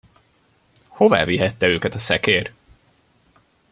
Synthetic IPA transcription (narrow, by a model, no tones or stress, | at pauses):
ho̞va̰ːviɦɛt̪ːɛøːkɛt̪ɒsɛkeːr